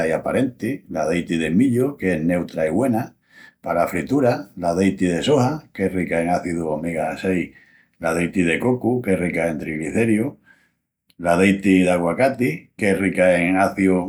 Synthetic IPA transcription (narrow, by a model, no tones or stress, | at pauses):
japaɾe̞nt̪ilaðejt̪iðe̞miʎokeɦne̞wt̪ɾaiɣwe̞na | palafɾit̪uɾalaðejt̪iðe̞sohakerikae̞ŋaθiðuomiɣaasej | lað̞ejt̪ið̞e̞ko̞kuke̞rikae̞nt̪ɾiɣliθe̞ɾjo | laðejt̪iðaɣwakat̪ikerikaeŋaθju